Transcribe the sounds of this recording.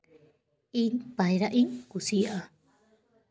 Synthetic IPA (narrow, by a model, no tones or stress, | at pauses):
inpajɾaʔiŋkusiʔa